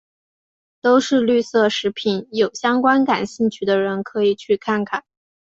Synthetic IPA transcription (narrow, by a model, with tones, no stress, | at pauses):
t̪o˥ʊʂɻ̩˥˧ly˥˧sɤ˥˩ʂɻ̩˧˥pʰi˨˧˥njo˨˩ʊɕjɑ˥ŋkwa˥nka˨˩nɕi˥˧ŋt͡ɕʰy˥˩d̪ə˦ɻə˧˥nkʰɤ˧˥i˨˩t͡ɕʰy˥˧kʰa˥˩nkʰa˨˩˦n